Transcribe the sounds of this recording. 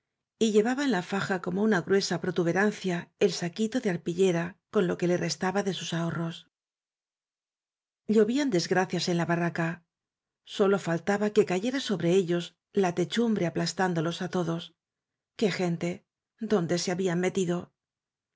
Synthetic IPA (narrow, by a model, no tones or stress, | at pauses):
iʎe̞βaβaenlafaxako̞mo̞unaɣɾwe̞sapɾo̞t̪uβe̞ɾanθjae̞lsakit̪o̞ðe̞aɾpiʎe̞ɾako̞nlo̞ke̞le̞re̞st̪aβaðe̞susao̞ro̞s | ʎo̞βiand̪e̞zɣɾaθjase̞nlaβaraka | so̞lo̞falt̪aβake̞kaʝe̞ɾaso̞βɾe̞e̞ʎo̞z | lat̪e̞t͡ʃumbɾe̞aplast̪and̪o̞lo̞sat̪o̞ðo̞s | ke̞xe̞nt̪e̞ | ðo̞nd̪e̞se̞aβiamme̞t̪iðo̞